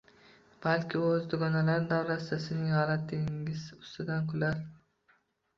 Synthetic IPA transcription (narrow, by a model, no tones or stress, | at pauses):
b̥alkʲʰɪozd̪ʊɡɒnalaɾd̪awɾat̪d̪asɪnɪŋhɒlat̪̚ːɪŋŋʲɪz̥ʊst̪ʊd̪ankʰʊlaɾ